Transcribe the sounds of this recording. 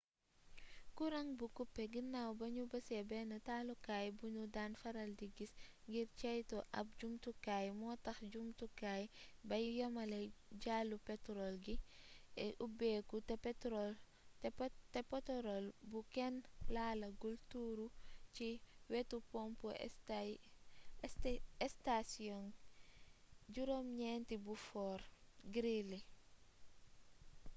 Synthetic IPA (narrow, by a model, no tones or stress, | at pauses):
kuɾɐŋbukupːɛɡinːawbɐɲubɐsɛbɛnɐtaːlukaːjbunudanfɐɾɐldiɡisŋɡiɾt͡ʃɛjtɔʔɐ̰p̚ɟumtukajmɔːtɐxɟumtukaːjbɐjujɔmɐlɛɟaːlːupɛtɾɔlɡiɛʔubɛːkutpɛtɔ | tɛpɔtɔɾɔlbukɛnlaːlɐɡultuːɾuciwɛtupɔmpu | ɛstasiɔn | ɟuɾomɲɛntibufɔːrɡɾili